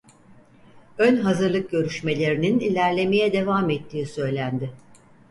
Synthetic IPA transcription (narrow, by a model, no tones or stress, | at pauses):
ønɦazɯɾlˠɯk̚ɟø̞ɾyʃme̞lʲe̞ɾininilʲæɾlʲe̞me̞jɛd̪e̞vaːmet̪ʰːiːsø̞jlʲænd̪ɪ